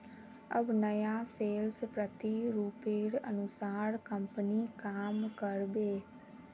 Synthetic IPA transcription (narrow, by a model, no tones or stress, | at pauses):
əbnəjaːseːlspɾət̪iɾuːpeːɽə̰nʊsaːɾkəmpəniːkaːmkəɾbeː